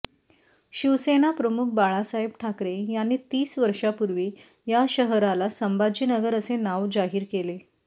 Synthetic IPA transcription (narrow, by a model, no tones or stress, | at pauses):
ɕiʋseñapɾəmuk̚ʰbaɭasaɦibʈʰakɾejanːiːt̪iːsʋəɾʂapuɾʋiː | jaɕəɦɾalasəmbad͡ʑiːnəɡəɾəsenaʋd͡zaɦiːɾkele